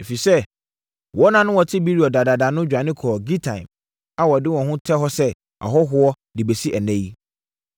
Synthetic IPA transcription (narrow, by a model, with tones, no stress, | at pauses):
e˨fi˨sɛ˦˨ | wɔ˦nã˨nʊ̃˦wɔ˨tʰɪ˦bi˦ɾi˨ɔ˨da˨da˨da˨nʊ̃˦d͡ʑᶣa˨nɪ̃˦kʰɔː˨ɡi˦tʰã˨ɪ̃˨m | a˦wɔ˨dɪ˦wɔ̃˨ɦʊ̃˦tʰɛ˦ɦɔ˦sɛ˦ | a̰˨ɦɔ˦ɦʊ˦ɔ˦ | di˨be˨si˦ʔæ˨nɛ̃˦ji˦